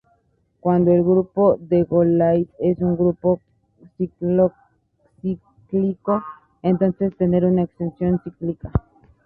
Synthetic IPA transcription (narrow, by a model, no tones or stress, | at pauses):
kwand̪oelɡɾupoðeɣolajt̪e̞suŋɡɾupo | siklo | si | kliko | ent̪o̞nse̞st̪e̞ne̞ɾunaekst̪e̞nsjo̞nsiklika